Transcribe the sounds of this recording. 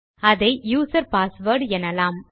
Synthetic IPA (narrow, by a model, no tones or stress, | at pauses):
ɐðɐɪjuːsɐɾpaːsʋəɾɖɛnːɐlaːm